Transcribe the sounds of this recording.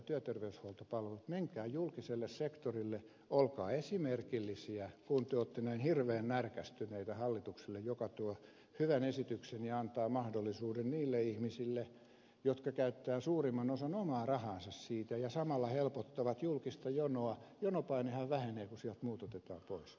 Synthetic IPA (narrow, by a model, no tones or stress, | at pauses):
t̪yæt̪erʋeyshuɑlt̪opɑlʋelut̪meŋkæːjulkiselːessekt̪orilːe | olkɑːesimerkilːisiækunt̪yøot̪ːenæinhirʋeːnnærkæst̪yneit̪æhɑlːit̪uksilːejjokɑt̪uɔ | hyʋænesit̪yksenjɑɑnt̪ɑːmɑhdolːisuːdenniːlːeihmisilːe | jot̪kɑkæyt̪ːæːsuːrimːɑnosɑnomɑːrɑhɑːnsɑssiːt̪æjɑsɑmɑlːɑhelpot̪ːɑʋɑt̪julkist̪ɑjonoɑjonopɑinehɑʋʋæheneːkusiɛlt̪muːt̪ot̪et̪ɑ̰ːpois